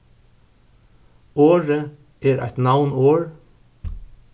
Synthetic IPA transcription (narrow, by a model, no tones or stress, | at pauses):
oːɹə | eːɹʔæ̰ɪt̪nawnoːɹ